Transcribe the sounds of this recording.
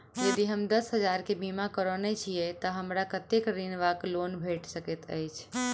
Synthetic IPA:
jəd̪iɦəmd̪əsɦəd͡ʒaɾkebimakəɾonet͡ʃʰijɛt̪əɦəmɾakət̪ekɾinʋaklonbʱeʈsəkɛt̪ə̰jt͡ʃʰ

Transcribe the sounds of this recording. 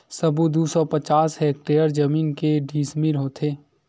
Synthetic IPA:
sɐbud̪usɔpət͡ʃaːsɦɛːk̚ʈeːəɾd͡ʒɐmiːnkeɖʱiːsmiɾɦoːt̪ʰeː

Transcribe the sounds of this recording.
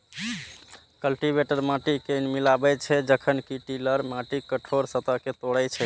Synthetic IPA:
kəlʈibeʈəɾmãʈikenmilabɛt͡ʃʰɛd͡ʒəkʰənkiʈiləɾmãʈikəʈʰoɾsət̪əket̪oɽɛjt͡ʃʰɛ

